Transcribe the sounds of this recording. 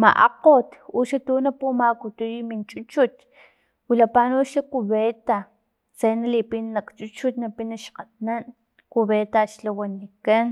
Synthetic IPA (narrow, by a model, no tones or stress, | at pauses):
ma̰ʔa̰qot̪uʃat̪unapumakut̪ujimint͡ʃʼut͡ʃut̪ | wilapanuʃakuβet̪a | t͡senalipinnakt͡ʃut͡ʃut̪napinaʃqat̪nan | kuβet̪aʃlawanikan